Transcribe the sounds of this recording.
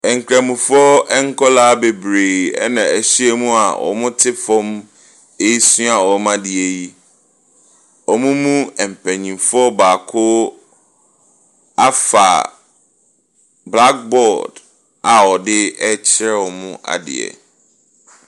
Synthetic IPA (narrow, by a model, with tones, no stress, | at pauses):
ɛ˨ŋ̩˨kʰɾɛ̃˨mũ˨fɔ˦ɛ˦ŋ̩˦kʰɔ˦laː˦be˨bɾeː˨ɛ̰˦nã˨æ˨ɕi˦e˦mũ˦a˨wʔɔ̰˨mʊ̃˦tʰɪ˦fɔ̃˦m | e˦i˦sũ˦a˨wɔ˨˦mã˦dɪ˨e˨ji˦ | ɔ˨mũ˦mũ˦ɛ˨m̩˨pʰɛ˨ɲĩ˨mfʊ˦ɔ˦baː˨kʰʊː˦ | a˦fa̰˨ | bla˦k̚bɔ˦˨d | a˨wɔ˨dɪ˦ɛ˦t͡ɕʰɪ˦ɾɛ˦wɔ˨mʊ̃˦ʔa̰˨dɪ̰˨ɛ̰˨